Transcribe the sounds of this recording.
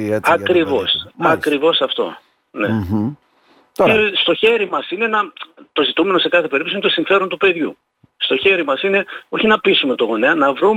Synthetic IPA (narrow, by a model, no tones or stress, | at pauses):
ɐkɾivosɐkɾivo̞sɐft̪o̞̰ | ne̞̰ | est̪o̞çe̞ɾimɐsine̞nɐt̪o̞zit̪ume̞nose̞kɐθe̞pe̞ɾip̪̚osint̪o̞siɱfe̞ɾo̞nt̪upe̞ðʝṵ | st̪o̞çe̞ɾimɐsineo̞çinɐpisume̞t̪o̞ɣo̞neɐnɐvɾum